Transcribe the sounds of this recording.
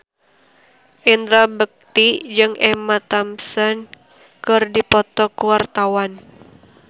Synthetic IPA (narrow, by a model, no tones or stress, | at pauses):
ʔind̪ɾabək̚t̪id͡ʒɨŋɛmat̪amsən | kɨrdipɔt̪ɔkuwart̪awan